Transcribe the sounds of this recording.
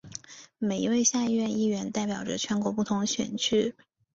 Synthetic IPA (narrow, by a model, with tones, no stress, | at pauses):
me˨˩ɪḭ˧˥we˥˧ɪɕja˥˧i˥˧ɥɛ˥˧ni˥˩ɥɛ˧˥nt̪a˥˩ɪpjɑ˨˩ʊʈ͡ʂə˧˦t͡ɕʰɥɛ˧˥nkwɔ˧˥pu˥˩t̪ʰʊ˧˥ŋɕɥɛ̰˨˩nt͡ɕʰy˥˩